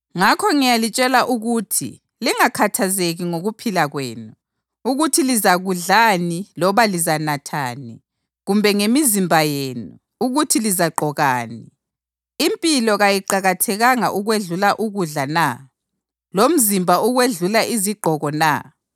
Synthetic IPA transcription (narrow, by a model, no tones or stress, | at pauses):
ŋakʰɔŋijalit͡ʃʼɛlaʔuɣuːtʰḭ | liŋakʰatʰazeɣiŋoɣupʰilaɣwḛːnu | uɣutʰilizaɣuɮanilɔβalizanatʰa̰ːni | ɣumbʱɛŋemizimbʱajeːnu | uɣutʰilizaǃʱɔɣaːniː | mpʼilɔɣajiǃaɣatʰɛɣaŋa̰ʔuɣweɮulaʔuɣuɮana | lom̩zimbʱauɣweɮulaʔiziɡ͡ǃʱɔɣɔna̰